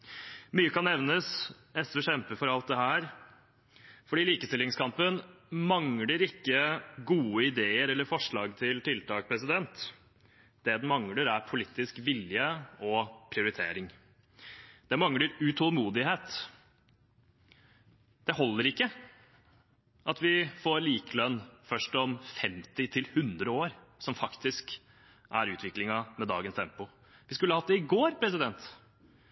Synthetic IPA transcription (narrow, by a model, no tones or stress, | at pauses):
myːəkɑnːɛʋnəs | ɛsəʂɛmpəfɔɾɑlt̪̚d̪ɛɦæːɾ | fɔɖiːliːkəst̪ɪlɪŋskʰɑmpən | mɑŋləɾɪkːəɡuːəɪd̪eːəɾɛlːəɾfɔʂɭɑːɡt̪ʰɪlt̪ʰɪlt̪ʰɑːk̚pʰɾɛsɪd̪ɛnt̪ | d̪ɛd̪ɛnmɑŋləɾæɾpʰʊliːt̪ːɪskʋɪljəɔpʰɾɪʊɾɪt̪ʰḛːɾɪŋ | d̪̥ɛmɑŋləɾʉt̪ʰɔlmuːd̪ɪheːt̪ | d̪̥ɛɦɔlːəɾɪkːə | ɑt̪ʋɪfoːɾliːkəlœnːfœʂʈɔmfɛmt̪ɪt̪ʰɪlhʉnd̪ɾəoːɾsɔmfɑkt̪ɪsk | ʔæɾʉːt̪ʰʋɪklɪŋɑmɛd̪ɑ̰ːɡənst̪ʰɛmpʊ | ʋɪskʉlːəhɑt̪d̪ɛɪɡoːɾpʰɾɛs̬ɪd̪ɛnt̪